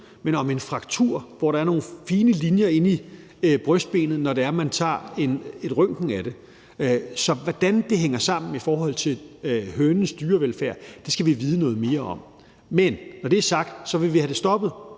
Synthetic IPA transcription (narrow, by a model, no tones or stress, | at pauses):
menɒ̽me̝nfʁɑ̈ɡ̥̚t͡sʰuɐ̰ʋɒɾ̥ɑ̈æɐno̝ːn̩fiːnəlinjɐe̝ni | b̥ʁœsd̥̚b̥e̝̰ːnð̞̩ˠnɒɾe̝æɐmænt͡sʰɑ̰̈ːe̝ne̝d̥ʁœŋ̰ɡ̥ŋ̩æɾ̥e̝ | sɒ̽ʋɒd̥ænd̥e̝ɦeŋ̰ɐsɑ̈m̰n̩ifɒːɦɒ̽l̰t͡sʰe̝lhøːnn̩sd̥yːɐʋelfæɐ̰d̥e̝sɡ̥æʋiʋiːð̞ˠənɔ̽ːð̞̩ˠme̝ːɐɒ̽m̰ | menːɒd̥e̝æɐsɑ̈ɡ̥d̥sɒ̽ʋe̝ʋihæɾ̥e̝sd̥ɒ̽b̥ð̞̩ˠ